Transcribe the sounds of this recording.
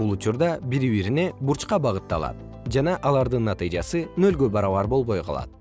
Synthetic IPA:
ulˠut͡ʃuɾd̪ɑbiɾiβiɾine̞buɾt͡ʃqɑbɑʁɯt̪ːɑ̰lˠɑ̰t̪̚ | d͡ʒɑnɑʔɑlˠɑɾd̪ɯnːɑt̪ɨjd͡ʒɑsɯnø̞lɡø̞bɑɾɑβɑɾbo̞lˠβo̞jqʰɑ̰lˠɑ̰t̪̚

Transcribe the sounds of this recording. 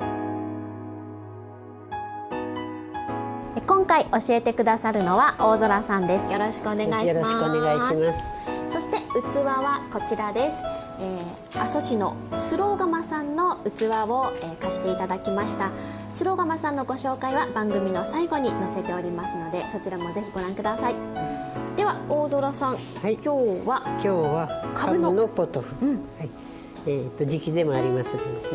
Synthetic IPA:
ekõ̞ŋkaiʔo̞ɕie̞t̪e̞kɯ̟d̪asaɾɯ̟no̞βaʔo̞ːzo̞ɾasãnd̪e̞sɨ̥jo̞ɾo̞ɕi̥kɯone̞ɡaiɕimaneɡaiias | so̞ɕi̥t̪e̞ɯ̟t͡sɨβaβako̞t͡ɕiɾad̪e̞sɨ̥ | eː | aso̞ɕino̞̰ | sɨɾo̞ːɡamasãnːo̞ɯ̟t͡sɨβaβo̞ekaɕi̥t̪e̞it̪ad̪akʲimaɕi̥t̪a | sɨɾo̞ːɡamasãnːo̞ɡo̞ɕo̞ːkaiβabãŋɡɯ̟mʲino̞saiɡo̞ɲ̟inose̞t̪e̞o̞ɾʲimasɨno̞d̪e̞so̞t͡ɕiɾamo̞ze̞çiɡo̞ɾãŋkɯ̟d̪asai | d̪̥e̞βaoːzo̞ɾosãŋhakʲo̞ːβakʲʰoːβakʰaaɯnonopːot̪oɯɯ̟̃ɴhai | et̪ːod͡ʑikʲid̪e̞moaɾʲimasɨ

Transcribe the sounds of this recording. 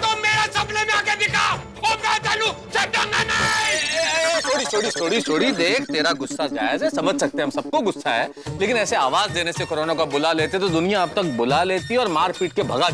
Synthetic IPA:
t̪omeːɾasɐblemẽaːked̪ɪkʰa | oːmɛ̃t͡ʃɐlũseɖɐnana | tʰoːɽit͡ʃʰoːɽit͡ʃʰoːɽit͡ʃʰoːɽid̪eːkʰt̪eːɾaɡʊsːad͡ʒa̰ːɪzɦɛsɐməd͡ʒʱsɐk̚t̪ẽɦɐmsɐb̚koɡʊsːaɦɛːleːkɪnɛːseaːʋaːzd̪eːnesekoːɾoːnõkabʊlaleːt̪eɛt̪od̪ʊnijãɐb̚t̪ɐk̚bʊlaleːt̪iɔːɾmaːɾpiːʈ̚kebʱɐɡa

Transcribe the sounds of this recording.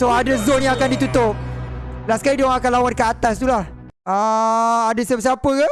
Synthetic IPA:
soadəzonjãakandit̪ut̪ʊp̚lasə̥kaɾidoãŋakanlawankəat̪ast̪ulah | aadasəpas̬iapəka

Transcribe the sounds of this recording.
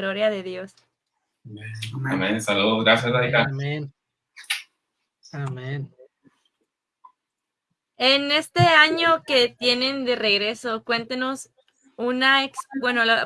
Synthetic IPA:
lo̞ɾjaðe̞ðjo̞s | amẽnsaluðoɣɾasjasdajkamen | amen | ene̞st̪e̞aɲo̞ke̞t̪je̞ne̞nd̪e̞re̞ɣɾe̞so̞kwe̞nt̪eno̞s | unaeksbwe̞nol

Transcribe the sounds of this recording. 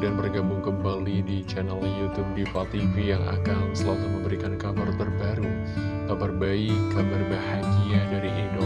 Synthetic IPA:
danbərɡabʊŋkəmbalidit͡ʃɛnɛljut̪up̚difat̪ifijaŋa̰kansəlat̪aməmbəɾikankabart̪ərbaɾu | kabarbaikabarbahaɡiadaɾiʔindo

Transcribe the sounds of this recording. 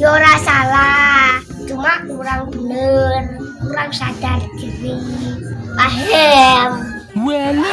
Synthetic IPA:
joɾasala | d͡ʒ̥umaʔkuɾaŋb̥ənəruɾaŋsad̥ard̪̥iwi | waɦɛm | ɛ

